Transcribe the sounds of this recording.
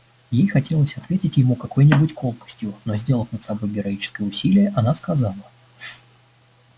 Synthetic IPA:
jejxɐtʲe̞lˠəsʲɐt̪vʲetʲɪtʲjɪmukɐko̞jnʲɪbutʲkolˠkə̥sʲtʲjʊno̞zʲdʲe̞lˠəfnət̪sɐbo̞jɡʲɪɾɐit͡ɕɪ̥skəjʊsʲilʲɪjəʔɐnaskɐzɑlˠə

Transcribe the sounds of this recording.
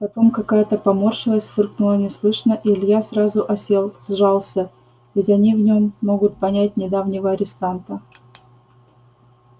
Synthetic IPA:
pɐt̪o̞mkɐkajət̪əpɐmorʂɨlˠəsʲt̪ʲfɨrknulˠənʲɪslˠɨʂnəʔilʲjasɾazʊʔɐsʲelˠzʐɑlˠsʲə | vʲɪtʲɐnʲivnʲo̞mːo̞ɡʊt̪̚pɐnʲætʲnʲɪd̪avnʲɪvəɐɾʲɪst̪ant̪ə

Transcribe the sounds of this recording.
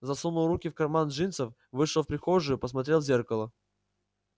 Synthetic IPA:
zɐsunʊlˠɾukʲɪfkɐrmanʐɨnt̪səf | vɨʂəlˠfpɾʲɪxoʐɨjʊpəs̬mɐt̪ɾʲelˠzʲerkəlˠə

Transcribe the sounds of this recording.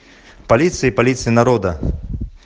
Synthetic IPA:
palʲit̪sɨjipalʲit̪sɨjinaɾɔd̪ɐ

